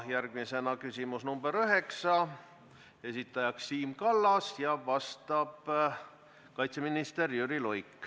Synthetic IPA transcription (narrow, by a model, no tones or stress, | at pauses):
jærɡ̥mise̞nɑkysimusnumbeɾøɦe̞ksɑ | e̞sit̪ˑːɑjɑksːiːmkɑlːɑsjɑvɑst̪ɑb̥ | kɑjt̪se̞minist̪e̞ɾjyɾilojkːˑ